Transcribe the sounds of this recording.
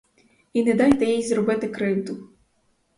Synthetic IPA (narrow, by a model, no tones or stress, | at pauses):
inɛd̪ɑjt̪ɛjijzɾɔbɪt̪ɪkɾɪwd̪ʊ